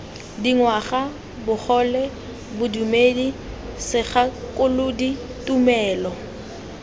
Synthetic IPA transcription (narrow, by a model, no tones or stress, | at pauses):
diŋwaχa | bʊk͡xʰɔlɛ | bʊdumedi | sɪχakʼʊlʊdi | tʼumɛːlɔ